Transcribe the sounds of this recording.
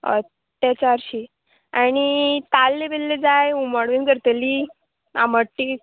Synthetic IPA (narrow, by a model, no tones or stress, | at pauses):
ə̰t̪ː | at͡ɕaɾɕi | añit̪alːebelːed͡zajuməɽʋenkəɾt̪eli | a̰məʈːi